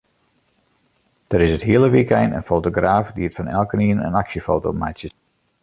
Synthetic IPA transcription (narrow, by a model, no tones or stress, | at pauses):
d̥əɾɪsətɦiələʋikɛjnə̰nfoːtoɡraːfdiətfɑnɛ̰lˠkəniənə̰naksjəfoːtoma̰jtsjə